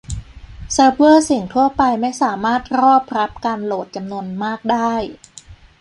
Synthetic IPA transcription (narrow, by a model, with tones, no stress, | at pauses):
sa˦˥wɤː˥˩si˨˩ŋt̪ʰu˥˩ɐpa˧jma˥˩jsaː˩˦maː˥˩t̪̚ɾɔː˥˩p̚ɾa˦˥p̚kaː˧nloː˨˩t̪̚t͡ɕa˧mnu˧ənmaː˥˩k̚daː˥˩j